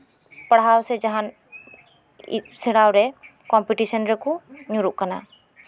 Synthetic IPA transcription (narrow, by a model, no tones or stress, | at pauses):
pɐɽ̤ɦaːwsɛd͡ʒɐɦan | sɪɽaːwɾɛ | kɔmpiʈisənɾɛkuɲuɾuʔkəna̰ː